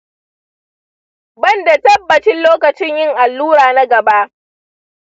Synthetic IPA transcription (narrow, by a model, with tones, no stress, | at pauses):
bɐ˦˨nda˨tɐ˦bːɐ˨t͡ʃɪ˦nloː˦kɐ˨t͡ʃɪ˦ɲjɪ˦ŋʔa˨lːuː˦ɾaː˨na˦ɡɐ˨ba˦ʔ